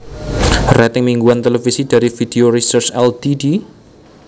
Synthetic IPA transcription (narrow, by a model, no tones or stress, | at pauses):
rɛt̪ɪŋmiŋɡuant̪elefisid̥a̤ɾifid̥eorisət͡ʃɛld̪idi